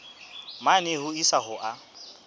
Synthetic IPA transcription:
manɪhʊisaɦʊʔa

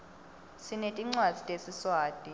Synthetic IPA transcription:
sinetʼiŋ͡ǀwad̥z̥ʱitʼesiswaːd̥ʱʼi

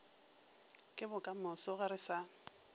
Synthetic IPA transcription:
kʼɪbʊkʼamʊsʊɣɪɾɪsa

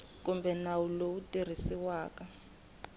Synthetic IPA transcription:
kumbʱɛnawulowutʼir̤isiwaːkʼa

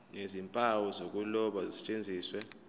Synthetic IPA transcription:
nezimpʼawɔzok̬ʼulɔɓazisɛ̥t͡ʃʼend͡zʱiːswɛ

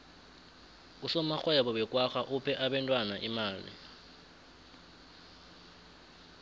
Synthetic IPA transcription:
usɔmaxwɛɓɔɓɛkʼwaxaʔupʰɛʔaɓɛntʼwanaʔimaːlḭ

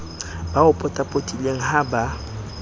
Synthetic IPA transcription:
baʊpʼɔtʼapʼotʼileŋ̩ɦaba

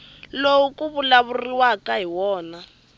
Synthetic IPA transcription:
lowukʼuβulaβuriwakaɦiwɔːna

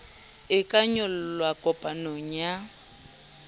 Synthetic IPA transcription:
ɪkʼaɲɔl̩lwakʼɔpʼanoŋ̩ja

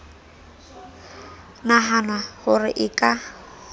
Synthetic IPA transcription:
naɦanwahʊrɪʔɪkʼa

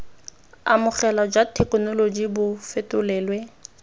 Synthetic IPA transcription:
a̰mʊχɛlad͡ʒwatʰɛkʼnolod͡ʒibʊfetʼʊlɛːlwɛ

